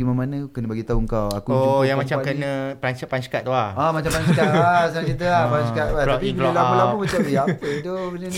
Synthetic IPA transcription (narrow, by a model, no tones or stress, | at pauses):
ɡimamanə̃kənə̃baɡit̪auŋkawakuojaŋmat͡ʃamkənə̃plant͡ʃəpanskat̪̚t̪ːuahamat͡ʃampanskaasanat͡ʃit̪̬əapanskat̪̚alɔapiŋlilaməlaəmat͡ʃamjapət̪ubənə